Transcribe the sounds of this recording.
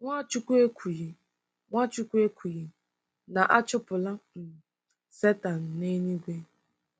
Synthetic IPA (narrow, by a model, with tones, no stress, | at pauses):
ŋʷa˦t͡ʃu˦kʷu˦e˦kʷu˨ji˨ | ŋʷa˦t͡ʃʊ˦kʷe˦kʰʷu˨ji˨ | na˨ʔa˦t͡ʃʊ˦pʊ˨la˦m̩˨ | se˦ta˨n̩˨ne˦ɲi˦ɡʷe˦